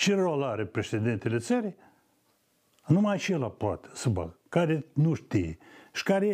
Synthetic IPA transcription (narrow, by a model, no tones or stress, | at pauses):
t͡ʃiɾoalaɾepɾeʃed̪ent̪ʲelʲesəɾʲi | numat͡ʃelaplat̪sɨba̰kaɾʲenuʃt̪ijeʃkaɾʲe